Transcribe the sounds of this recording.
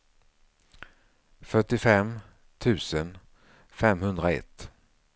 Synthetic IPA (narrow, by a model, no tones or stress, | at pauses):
fœʈːɪfɛmː | t̪ʰʉ̟ːsən | fɛmɦɵnd̪ɾaɛ̰t̪ː